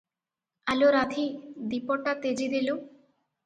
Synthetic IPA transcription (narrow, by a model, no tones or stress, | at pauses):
aloɾad̪ʱid̪ipɔʈat̪ed͡ʒid̪ilu